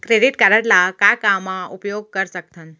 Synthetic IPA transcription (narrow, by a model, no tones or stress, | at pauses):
kɾeɖiʈkaɾəʈlakakamːãupjoɡ̚kəɾsək̚t̪ʰən